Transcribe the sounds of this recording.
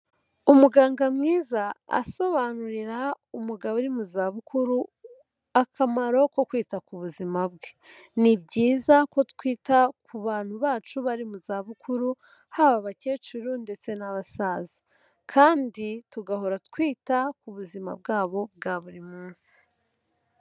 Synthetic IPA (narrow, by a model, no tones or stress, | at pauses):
umuɡaːŋɡamŋiːzaa̰so̞βanuɾiɾa | umuɡaβuɾimuzaːβukuɾu | akʰamaɾo̞ko̞kwiːtakuβuzimab̚ɡe | nibɟiːzako̞tkwiːtakʰuβaːn̥huβaːt͡ʃuβaɾimuzaːβukʰuɾu | haβaβace̞ːt͡ʃuɾunde̞t͡se̞naβasaːzi | kʰaːndituɡaɦo̞ɾatkwiːtakuβuzima̰b̚ɡaːβo̞b̚ɡaːβuɾimuːnsi̥